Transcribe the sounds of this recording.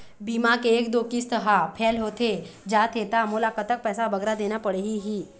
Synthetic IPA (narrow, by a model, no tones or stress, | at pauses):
biːmakeːkd̪oːkist̪əɦapʰɛːlɦoːt̪ʰed͡ʒaːt̪ʰet̪amolaːkət̪ək̚pɛːsabɐɡɾad̪eːnapəɽeɦiɦiː